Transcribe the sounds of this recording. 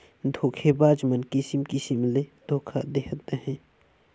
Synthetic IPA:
d̪ʱoːkʰebaːd͡ʒmənkɪsimkisimled̪̥ʱoːkʰad̪ekʰət̪əɦɛ̃ː

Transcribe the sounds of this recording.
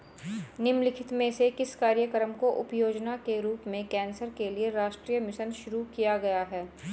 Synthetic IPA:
nɪmlɪkʰɪt̪mẽsekɪskaːɾjəkəɾəmkoʔʊpjoːd͡ʒnakeɾuːpmẽkɛːnsəɾkelieɾaːʃʈɾiːjəmɪʃənʃʊɾukijaɡɐjaɦɛː

